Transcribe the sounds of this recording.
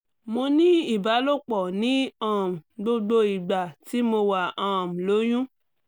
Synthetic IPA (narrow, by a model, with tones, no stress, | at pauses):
mo˧nĩ˦i˦˨ba˨˦lo˦˨k͡pɔ˨nĩ˨˦ã˦˨ɡ͡bo˧ɡ͡bo˧i˨ɡ͡ba˨ti˨˦mo˧wa˨ã˦˨lo˨˦j̃ũ˦